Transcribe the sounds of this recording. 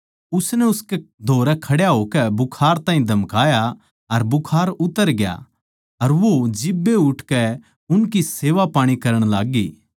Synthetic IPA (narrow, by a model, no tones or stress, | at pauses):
ʊsnɛʊskɛd̪ʱoːɾɛkʰɐɽjaɦoːkɛbʊkʰaːɾt̪ãːɦĩd̪ʱɐmkaːja | ɐɾbʊkʰaːɾʊt̪ːəɾɡɪja̰ | ɐɾʋod͡ʒɪbːeʊʈʰkɛ | ʊnkiseːʋapaːɽ̃ikɐɾəɽ̃laːɡiː